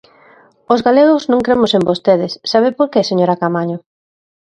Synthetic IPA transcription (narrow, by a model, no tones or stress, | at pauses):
ozɣaleɣ̞oznõŋkɾemʊsẽmbost̪eðɪsːaβ̞epoɾkeseɲoɾakamaɲʊ